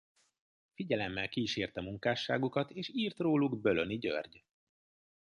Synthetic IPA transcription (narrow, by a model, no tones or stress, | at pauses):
fiɟɛlɛmːɛlkiːʃeːrt̪ɛmuŋkaːʃːaːɡukɒt̪eːʃiːrt̪roːluɡbøløniɟø̰rɟ